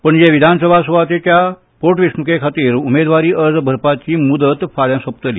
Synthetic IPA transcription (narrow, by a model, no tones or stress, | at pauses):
pəɳd͡ʑeʋid̪ʱansəbʱasuʋat̪et̪ja | poʈʋismukekʰat̪iːɾumed̪ʋaɾiːʔəɾd͡zbʱəɾpat͡ɕiːmud̪ət̪faɽjãsəp̚t̪əliː